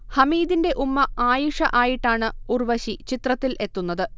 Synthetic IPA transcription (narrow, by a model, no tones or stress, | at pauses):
hɐmiːd̪inde̞ʔumːɐaːjuʂɐ̰ʔaːjiʈːaːɳɨurʋɐɕit͡ɕit̪rɐt̪ːilʔe̞t̪ːunːɐðɨ